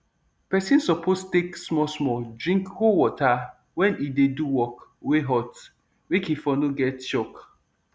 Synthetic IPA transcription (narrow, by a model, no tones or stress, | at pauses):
pɛsĩnsɔpostteksmɔsmɔdɹĩŋkhowɔta | wɛ̃nideduwɔkweɦɔt | wekifɔnoɡɛtt͡ʃɔk